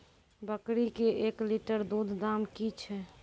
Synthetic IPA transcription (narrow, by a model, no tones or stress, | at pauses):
bəkɾikeekliʈəɾd̪ud̪ʱd̪amkit͡ʃʰɛ